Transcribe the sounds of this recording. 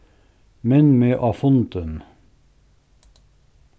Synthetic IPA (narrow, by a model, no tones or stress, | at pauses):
mɛnmeːʔɑfɔnt̪ən